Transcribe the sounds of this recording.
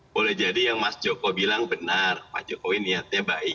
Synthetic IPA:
bolɛhd͡ʒadijaŋmasd͡ʒokobilaŋbənarma̰d͡ʒokowiniat̪̚ɲabaik

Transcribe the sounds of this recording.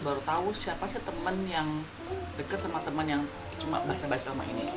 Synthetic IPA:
baɾut̪aʊsiapasɪt̪əmənjaŋ | dəkət̪̚samat̪əmənjaŋ | t͡ʃuma̰baɦasabaasaama̰ʔḭni

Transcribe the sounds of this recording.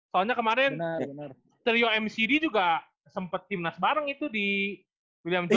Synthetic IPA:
saaɲakəmaɾɛn | t̪əɾioɛmsidid͡ʒuɡa | səmpət̪ːimnasbaɾəŋit̪udi | wiliamd͡ʒ

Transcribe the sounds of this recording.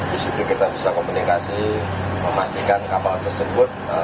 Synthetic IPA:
isit̪ukit̪abisakomunikasi | məmast̪ikankapalt̪ərsəbʊt̪̚

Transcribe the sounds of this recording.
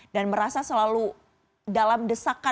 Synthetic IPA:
danməɾasasəlalu | dalamdəsaka

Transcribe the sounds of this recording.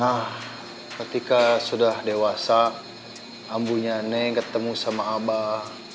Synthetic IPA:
nah | kət̪ikasudahdewasaː | mbuɲaneŋkət̪əmusamaːba

